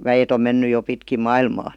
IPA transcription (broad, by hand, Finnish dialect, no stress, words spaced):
ʋæjet om menːy jo pitkim̆ mɑilmɑː